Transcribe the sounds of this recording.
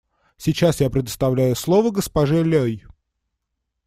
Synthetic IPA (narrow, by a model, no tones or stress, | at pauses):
sʲit͡ɕasjapɾʲɪd̪əst̪ɐvlʲæjʊslˠovəɡəspɐʐɨlʲoj